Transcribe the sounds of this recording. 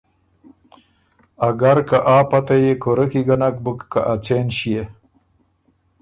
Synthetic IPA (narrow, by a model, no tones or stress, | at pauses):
aɡaɾkaʔaːpat̪ajekoɾəkiɡanak̚bukːa̰ʔat͡senɕije